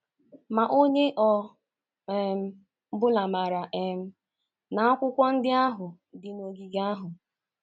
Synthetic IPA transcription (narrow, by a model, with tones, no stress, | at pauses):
ma˨ʔo˦ɲe˦ʔɔ˨ | m̩˦ | bʊ˦la˨ma˨ɾa˨ʔe˨m̩˦ | na˨a˦kʷʊ˦kʷɔ˦n̩˦dɪ˦a˦ɦʊ˨ | dɪ˨no˨ɡi˨ɡa˦ɦʊ˨